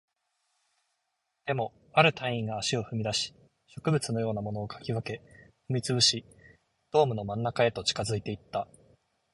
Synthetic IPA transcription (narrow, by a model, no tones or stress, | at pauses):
d̪̥e̞mo̞ | aɾɯ̟t̪ʰaĩŋɡaːɕio̞ɸɯ̟mʲid̪aɕi̥ | ɕo̞kɯ̟bɯ̟t͡sɨno̞jo̞ːnamo̞no̞ːkʰḁkʲiβake̞ɸɯ̟mʲit͡sɨbɯ̟ɕi | d̪̥o̞ːmɯ̟no̞mãnːakae̞t̪o̞t͡ɕi̥kazɨit̪e̞it̪ːa